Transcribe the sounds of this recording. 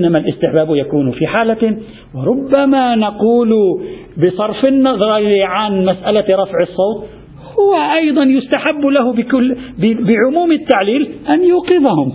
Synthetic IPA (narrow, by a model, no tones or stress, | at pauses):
ʔnːamalʔɪst̪ɪħbaːbjakuːnfiħaːla | wɪɾˤʊbːamanaquːlʊbɪsˤɑɾˤfɪnːɑðˤɾˤɑliʕanmasʔalaɾˤɑfʕɪsˤːɑːt̪ | hʊwaʔɑjd̪ˤɑnjʊst̪aħabːlahʊʊbɪʕʊmuːmɪt̪ːaʕliːlʔanjuːqɪðahʊm